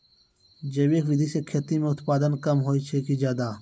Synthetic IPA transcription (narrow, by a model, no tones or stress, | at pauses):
d͡ʒebeːkʋɪd̪ʱisekʰeːt̪imẽʊt̪paːd̪ənkəmɦoːit͡ʃʰekid͡ʒaːd̪aː